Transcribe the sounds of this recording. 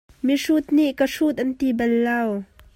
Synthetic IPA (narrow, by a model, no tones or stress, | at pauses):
miʂut̪̚niʔkaʂut̪̚ʔɐnt̪ibɐlːaw